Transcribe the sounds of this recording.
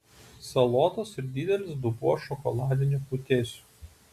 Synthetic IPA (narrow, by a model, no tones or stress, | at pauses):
sɐlˠɔːt̪oːsɪɾd̪ʲid̪ʲɛlʲɪsd̪ʊbuɔʃɔkɔlˠɑːd̪ʲɪnʲuˑput̪ʲeːsʲu̥ː